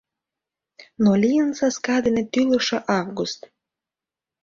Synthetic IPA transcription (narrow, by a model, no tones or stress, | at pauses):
nolijənsɑskɑd̪enĕt̪ylə̆ʃĕʔɑvɡust̪